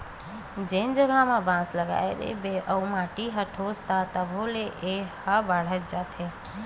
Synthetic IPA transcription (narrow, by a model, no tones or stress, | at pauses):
d͡ʒend͡ʒəɡʱamẽbãsləɡa̰ed̪ḛbeʔəumãːʈiɦəʈʰost̪at̪əbʱõleʔehəbaɽ̤ət̪̚d͡ʒaːt̪e